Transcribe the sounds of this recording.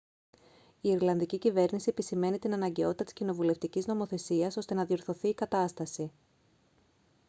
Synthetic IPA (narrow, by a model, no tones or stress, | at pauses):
iiɾlɐnðicicive̞ɾnisie̞pisime̞nit̪inɐnɐɲɟe̞o̞t̪it̪ɐt̪i̥scino̞vule̞ft̪icizno̞mo̞θe̞siɐso̞st̪e̞nɐðio̞ɾθo̞θiːkɐt̪ɐst̪ɐsi